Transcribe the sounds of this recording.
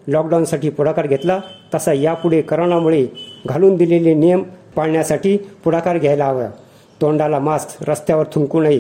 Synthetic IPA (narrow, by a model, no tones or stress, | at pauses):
lɔkɖawnsaʈiːpuɽakaɾɡʱet̪lat̪əsajapuɽekəɾɳ̃amuɭeɡʱaluːnd̪ilelinijəmpaɽɳjasaʈiːpuɽakaɾɡʱajlaːʋja̰ | t̪oɳɖalamast̪ʰɾəst̪jaʋəɾt̪ʰuŋkunaɦi